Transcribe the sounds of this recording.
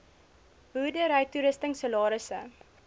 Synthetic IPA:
budəɾɐjtuɾəstəŋsəlɑːɾəsə

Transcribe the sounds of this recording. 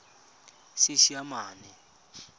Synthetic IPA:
sɪʃiamaːnɛ

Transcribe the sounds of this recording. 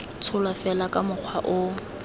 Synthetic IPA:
t͡sʰʊlwafɛlakʼamʊq͡χʰwaʔʊ

